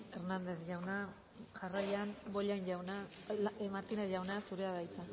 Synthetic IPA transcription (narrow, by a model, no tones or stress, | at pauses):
e̞ɾnand̪e̞θʝawna | ʝaraʎanboʎajɲɟawna | maɾt̪ineθʝawnasuɾe̞aðajt͡sa